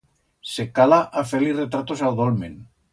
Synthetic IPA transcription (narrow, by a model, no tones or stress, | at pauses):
sekalaʔafeliret̪ɾat̪osawðolmḛn